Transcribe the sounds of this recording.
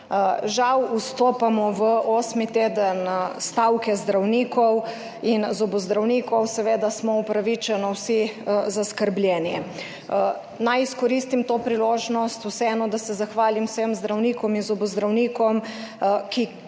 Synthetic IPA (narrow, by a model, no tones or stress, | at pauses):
ʒawust̪oːpamɔʋəʔɔːsmit̪eːd̪ənst̪awkɛzd̪ɾawniːkɔw | inzɔbɔzd̪ɾawniːkɔwsɛʋeːd̪asmɔupɾaʋit͡ʃɛnɔwsizaskəɾblʲjɛːni | najiskɔɾist̪imt̪oːpɾiloːʒnɔst̪usɛɛːnɔd̪asɛzaxʋaːlimwsemzd̪ɾawniːkɔminzɔbɔzd̪ɾawniːkɔmki